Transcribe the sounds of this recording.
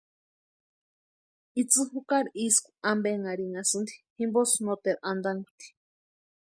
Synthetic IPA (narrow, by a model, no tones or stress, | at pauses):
it͡sɨhukaɾiiskʷu̥ambeŋaɾiŋasɨnd̪i̥himbosnot̪eɾʔand̪aŋɡut̪i̥